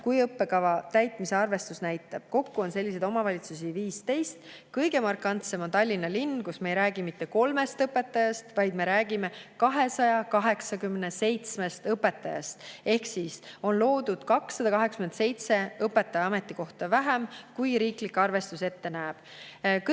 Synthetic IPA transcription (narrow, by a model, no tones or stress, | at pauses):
kujɤpːe̞kɑvɑt̪æjt̪ˑmise̞ɑrve̞st̪usnæjt̪ːˑɑb̥ko̞kːuo̞nse̞lʲːisejd̪o̞mɑvɑlʲit̪susiviːst̪e̞jst̪ | kɤjɡe̞mɑrkːˑɑnt̪semo̞nt̪ɑlʲːinːɑlinːkusmeejɾæːɡ̥imit̪ːe̞ko̞lme̞st̪ɤpːe̞t̪ːˑɑjɑst̪vɑjd̪me̞ɾæːɡ̥ime̞kɑɦe̞sɑjɑkɑɦe̞ksɑkymnese̞jt̪smest̪ɤpːˑe̞t̪ːˑɑjɑ̰st̪e̞hksiso̞nlo̞ːd̪ud̪̥kɑksːɑd̪̥ɑkɑɦeksymense̞jt̪se̞ɤpːˑe̞t̪ːɑjɑɑme̞t̪ːˑiko̞ht̪ɑvæɦemkujɾiːklikːɑrve̞st̪use̞t̪ːe̞næːb̥ | k